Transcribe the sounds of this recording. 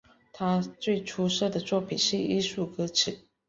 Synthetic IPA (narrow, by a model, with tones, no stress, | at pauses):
t̪ʰa˥t͡swe˥˩ɪʈ͡ʂʰu˥ʂɤ˥˩d̪ə˩t͡swɔ˥˩pʰi˨˩nʂɻ̩˥˩i˥su˥˩kɤ˥ʈ͡ʂ̩ʰ˨˩˦